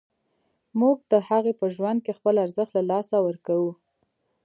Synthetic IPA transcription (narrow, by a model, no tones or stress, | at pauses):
muɡ̚d̪̥əhaɣepəʒwand̪̚kexpəlaɾzəxt̪lalɑsawəɾkawu